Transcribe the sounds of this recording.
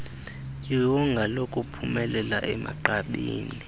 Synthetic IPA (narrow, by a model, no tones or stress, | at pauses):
jiwɔŋɡʱalokʼupʰumɛlɛla̰ʔɛmʔa̰ǃaɓiːni